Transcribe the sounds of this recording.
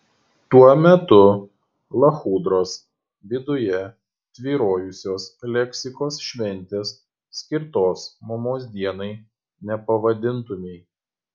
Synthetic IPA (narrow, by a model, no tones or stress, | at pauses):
t̪uɔmʲɛt̪ʊ | lˠɐxuːd̪ɾoːs | ʋʲɪd̪ʊjɛ | t̪ʲʋʲiːɾoːjʊsʲoːslʲɛkʲsʲɪkoːsʃʲʋʲɛnʲˑt̪ʲeːsːʲ | kʲɪɾt̪oːsmɐmoːsd̪ʲiɛnɐɪ | nʲɛpɐʋɐd̪ʲɪnˑt̪ʊmʲɛɪ